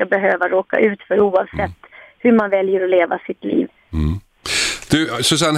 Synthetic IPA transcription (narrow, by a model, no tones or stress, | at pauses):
abɛɦøːvaɾoːka̰ʔʉ̟ːt̪fœɾuːɑvsɛt̪ːhɵmanvɛljəɾɔleːva̰sɪt̪lḭːv | d̪̥ɵsɔs̬an